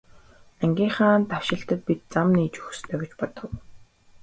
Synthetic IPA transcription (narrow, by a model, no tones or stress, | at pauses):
æŋɡʲiːŋχaːnt̪aw̥ʃɪ̆ɬt̪ə̆t̪̚pit̪̚t͡samniːt͡ɕu̥xɵ̥̆st̪ʰœːɣʲɪt͡ɕpɔt̪ɞ̆w